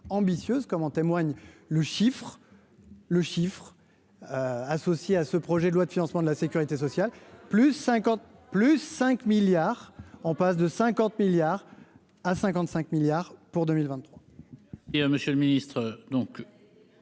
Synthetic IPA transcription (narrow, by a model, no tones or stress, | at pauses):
ɑ̃bisjøzkɔmɔ̃t̪emwaɲləʃifχ | ləʃifχ | øasɔsjeasəpχɔʒɛd̪əlwad̪əfinɑ̃smɑ̃d̪əlasekʲyʁit̪esɔsjalplysːɛ̃kɑ̃t̪̚plysːɛ̃kmiljaːʁɑ̃pas̬d̪əsɛ̃kɑ̃t̪miljaʁ | asɛ̃kɑ̃t̪sɛ̃kmiljaʁpuʁd̪əmilvɛ̃nt̪ːχwa | iməsjəlminist̪χəd̪ɔ̃k